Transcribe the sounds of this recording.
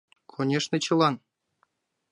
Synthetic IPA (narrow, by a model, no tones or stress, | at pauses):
kʰonʲeʂnʲĕt͡ɕɤ̆lˠɑn